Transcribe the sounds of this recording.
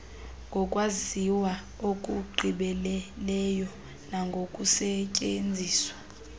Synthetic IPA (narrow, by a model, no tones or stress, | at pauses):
ŋɡʱɔkʼwaziwa | okʼuɡ͡ǃʱiɓɛlɛlɛjɔ | naŋɡʱokʼusɛcʼend͡zʱiːswḁ